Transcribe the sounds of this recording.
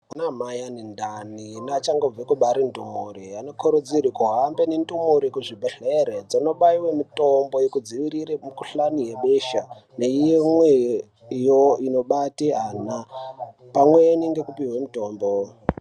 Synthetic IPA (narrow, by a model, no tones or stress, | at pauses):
unamajanindaninat͡ʃaŋɡob͡vekuɓaɾindṵmuɾiano̞kʰoɾud͡ziɾikuɦambenindumuɾikuʐibʱeɬeɾed͡zino̞ɓaiwemitombo̞jekud͡ziʋiɾiɾemukuɬanijeɓeʃaneijemwe | joino̞ɓatiaːna | pamweeniŋɡe̞kupiɦwemuto̞ːmbo